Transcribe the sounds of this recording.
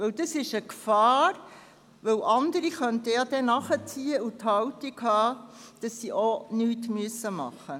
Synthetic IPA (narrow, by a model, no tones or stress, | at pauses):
ʋɵwd̥ɑsɪʃəkfɑːɾ | ʋɵwʔɑndəɾiχœntəjɑd̥ɛnɑχət͡siːəuthɑwtikhɑːd̥ɑsːiʔonyːtmyəsːəmɑ̰χːə